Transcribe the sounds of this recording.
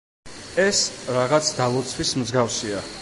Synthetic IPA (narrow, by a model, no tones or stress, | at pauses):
ɛsɾaʁat̪sʰd̪alˠɔt̪sʰwismzɡafsia